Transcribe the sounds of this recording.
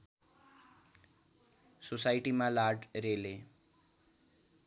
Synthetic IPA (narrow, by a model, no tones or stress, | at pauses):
sosaːɪʈimãlaːʈɾeːleː